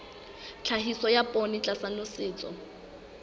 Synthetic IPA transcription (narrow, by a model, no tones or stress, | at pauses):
t͡ɬʰaɦisɔjapʼonɪt͡ɬʼasanʊsɪːt͡sʼɔ̰